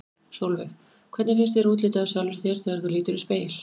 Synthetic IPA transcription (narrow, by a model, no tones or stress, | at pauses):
sowlvɛx | kʰvɛt̪nɪfɪnst̪ɛɾuːt̪lɪːt̪aðʏsjawlvʏɾ̥θjɛɾ̥θɛːɣaɾ̥θuliːt̪ʏɾʏspeːjl̥